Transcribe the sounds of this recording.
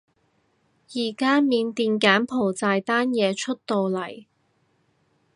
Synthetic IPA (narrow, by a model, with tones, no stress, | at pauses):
jiː˨˩kaː˥miː˨˧nt̪iː˨˧nkaː˨˥npʰo˨˩wt͡saː˧jt̪aː˥njɛː˨˧t͡ʃʰɵ˥t̚t̪o˨wlɐ˨˩j